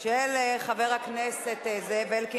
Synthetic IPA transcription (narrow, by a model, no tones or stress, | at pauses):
ʃeleχaveʁhakneset̪ezevelki